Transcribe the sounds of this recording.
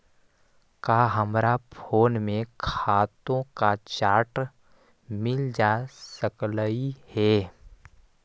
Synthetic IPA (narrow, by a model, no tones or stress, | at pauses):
kaːɦəmɾapʰoːnmẽkʰaːt̪õkat͡ʃaːʈ | mɪld͡ʒaːsəkləihɛː